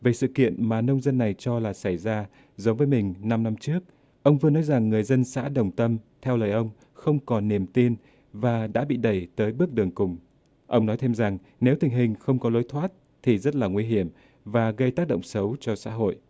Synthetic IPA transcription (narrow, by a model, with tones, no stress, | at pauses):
ve˨˩jsɨ̰˧˨kḭ˧˨ənmaː˨˩nə˧wŋ͡mzə˧nːa˨˩jt͡ɕɔ˧laː˨˩sa˧˩jzaː˧ | zə˨˦wŋ͡mvəː˨˦jmï˨˩ŋ̟na˧mna˧mt͡ɕɨ˦˥ək̚ | ʔə˧wŋ͡mvɨ˧ənɔ˨˦jza˨˩ŋːɨ˨˩əjzə˧nsa̰ː˧˥ɗə˨˩wŋ͡mt̪ə˧mt̪ʰɛ˧wləː˨˩jʔə˧wŋ͡m | xə˧wŋ͡mkɔ˨˩nni˨˩əmt̪i˧n | vaː˨˩ɗa̰ː˧˥ɓḭ˧˨ɗə˧˩jt̪əː˨˦jɓɨ˦˥ək̚ɗɨ˨˩əŋkʊ˨˩ŋ͡m | ʔə˧wŋ͡mnɔ˨˦jt̪ʰe˧mza˨˩ŋ | ne˨˦wt̪ï˨˩ŋ̟ɦï˨˩ŋ̟xə˧wŋ͡mkɔ˨˦lo˨˦jt̪ʰwaː˦˥t̚ | t̪ʰi˨˩zə˦˥t̚laː˨˩ŋwi˧ɦi˧˩əm | vaː˨˩ɣə˧jt̪aː˦˥k̚ɗə̰˧˨wŋ͡msə˨˦wt͡ɕɔ˧sa̰ː˧˥ɦo̰˧˨jʔ